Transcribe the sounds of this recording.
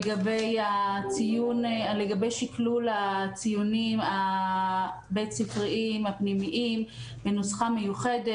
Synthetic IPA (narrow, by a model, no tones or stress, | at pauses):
ɡabejat͡sijunleɡabejʃiklulat͡sijunima | bejtt͡sifʁiʔimhapnimiʔim | benosχamejuχede